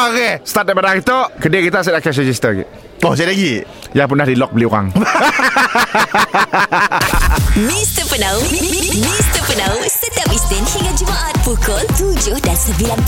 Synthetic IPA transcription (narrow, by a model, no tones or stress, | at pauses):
okest̪at̪̚ɛbanakit̪oʔkədekit̪as̬ɛakɛs̬əd͡ʒist̪əɡɛ̰ʔ | os̬alaɡi | jaŋp̬undahdilɔk̚bəliuɣa̰ŋ | mist̪əpənawmist̪əpənawsət̪apisɪnhiŋad͡ʒumaʔat̪̚fukɔlt̪ud͡ʒʊhdansəbilan